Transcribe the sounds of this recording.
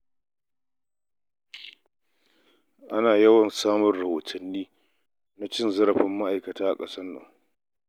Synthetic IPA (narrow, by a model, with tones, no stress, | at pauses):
ʔa˦naː˨jɐ˦wɐ˨nsaː˦mʊ˦rɽɐ˨hoː˨tʰɐ˨nːiː˦ | na˦t͡ʃɪ˦nzɐ˦ɾɐ˨ɸɪ˦mːa˦ʔa˨jkɐ˨taː˦ʔa̰˨kʼɐ˦sɐ˦nːɐ̰˨ŋ